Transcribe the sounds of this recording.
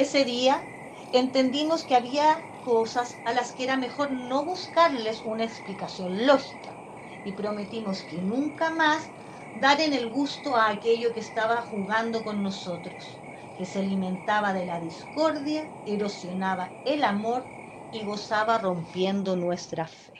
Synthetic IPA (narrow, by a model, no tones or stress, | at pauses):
ese̞ðia | ent̪e̞nd̪imo̞skeaβia | kosasalaskeeɾame̞xo̞ɾno̞βuskaɾle̞sunaeksplikasjo̞nlo̞xi̥ka | ipɾo̞me̞t̪imo̞skenuŋkamas | d̪aɾene̞lɣust̪oaːke̞ʎokest̪aβaxuɣand̪oko̞nːo̞sot̪ɾos | keselimẽ̞nt̪aβaðe̞laðisko̞ɾðja | eɾo̞sjo̞naβa | elamo̞ɾ | iɣo̞saβaro̞mpjend̪onwest̪ɾafe